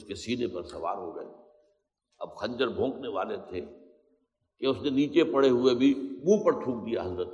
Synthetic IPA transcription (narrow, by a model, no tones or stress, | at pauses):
skesiːnepɐɾsɐʋa̰ːɾɦoɡɐ̰ɦḛ | ɐb̚xɐ̃ɲd͡ʒəɾbʱõːkneʋaːlet̪ʰe | keʊsneniːt͡ʃepɐɽ̤eɦʊebʱimũːpɐɾt̪ʰũːk̚d̪ijaɦɐzɾət̪